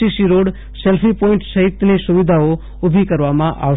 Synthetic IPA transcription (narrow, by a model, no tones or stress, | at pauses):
isiɾoɽ | selpʰipɔɪ̃ɳʈsəɦit̪ːnisʊʋid̪ʱao | ʊbʱikəɾʋamãʔa̰ʋ